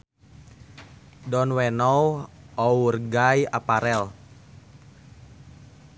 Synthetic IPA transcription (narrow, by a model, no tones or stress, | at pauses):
dɔnwɛnɔwɔurɡajapaɾɛl